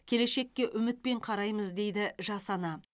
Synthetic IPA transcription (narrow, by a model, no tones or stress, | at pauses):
kʲʰe̞le̞ʃe̞kʲːe̞ʔʏmɪt̪̚pe̞ɴqʰɑɾɑjməzd̪e̞jd̪ɪʒɑsɑnɑ